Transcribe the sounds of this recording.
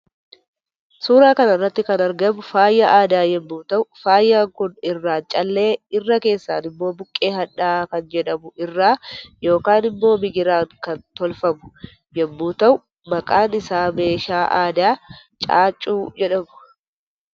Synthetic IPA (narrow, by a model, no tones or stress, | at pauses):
suːɾaːkɐnɐrːɐt̪ːɪkɐnɐɾɡɐmʊfaːjːaʔaːd̪aːjɛmːuːt̪ɐʔʊfaːjːaːŋkʊnɪrːaːnt͡ʃʼɐlːe̞ːɪrːɐke̞ːsːa̰ːnɪmːo̞ːbʊkʼːe̞ːɦɐᶑaːkɐnd͡ʒɛᶑɐmʊɪrːaːjo̞ːkaːnɪmːo̞ːmɪɡɪɾaːŋkɐnt̪ɔlfɐmʊ̥ | jɛmːuːt̪ɐʔʊ | mɐkʼaːnɪsaːme̞ːʃaːʔaːd̪aː | t͡ʃʼaːt͡ʃʼːuːd͡ʒɛᶑɐmʊ̥